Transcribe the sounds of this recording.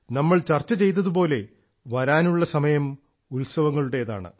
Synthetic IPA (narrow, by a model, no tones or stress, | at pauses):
nɐmːɐɭt͡ɕɐrt͡ɕːɐt͡ɕe̞jt̪̬ːɐðupo̞ːle̞ | ʋɐɾaːnuɭːɐsɐmɐjɐm | ulsɐʋɐŋːɐɭuɽe̞jɐða̰ːɳɨ̰